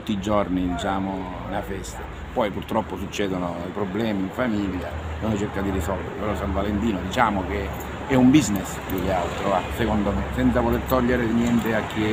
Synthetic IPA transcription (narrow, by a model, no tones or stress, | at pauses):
t̪ːiːd͡ʒɔrnid̪it͡ʃaːmo | nafɛst̪e | pɔjpurt̪ɾɔpːosut͡ʃːɛːd̪onoipɾoblɛːmiːɱfamiʎːaunot͡ʃerkad̪irisɔlvḛɾepeɾɔsaɱvalent̪iːnod̪it͡ʃaːmoke | ɛumbiznespjukːealt̪ɾoasekɔnd̪omesɛnt̪savolert̪ɔʎːeɾenjɛnt̪eakːi